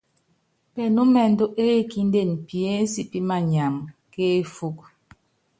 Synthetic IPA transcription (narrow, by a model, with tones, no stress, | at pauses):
pɛ˨nu˦mɛ˨n̩˦do˦ʔe˦e˦ki˦n˦de˦˨n˨pi˨e˦n̩˦si˦pi˦ma˨ɲa˨mke˦fu˦k̚